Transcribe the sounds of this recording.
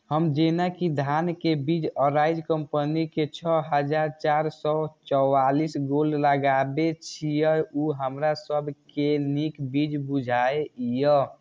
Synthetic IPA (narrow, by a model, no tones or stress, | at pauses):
həmd͡ʒenakid̪ʱankebid͡ʒəɾaid͡ʒkəmpəniket͡ʃʰɔɦəd͡ʒaɾt͡ʃaɾsɔt͡ʃɔalisɡolləɡabet͡ʃʰijəuɦəmɾasəbʱkenikbid͡ʒbud͡ʒʱaeijə